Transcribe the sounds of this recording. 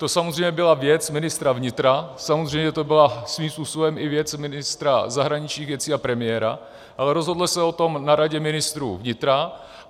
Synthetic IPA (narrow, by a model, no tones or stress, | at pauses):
t̪o̞samozrɛjmɲɛbɪlavjɛt͡smɪnɪst̪ɾavɲɪt̪ɾasamozr̝ɛjmɲɛt̪o̞bɪlasviːmspuːsobɛmɪvjɛt͡smɪnɪst̪ɾazaɦɾaɲɪt͡ʃɲiːɣvjɛt͡siːapɾɛmɪɛɾa̰ | ʔalɛɾozɦo̞dlɪsɛo̞t̪o̞mnaɾaɟɛmɪnɪst̪ɾṵːvɲɪt̪ɾa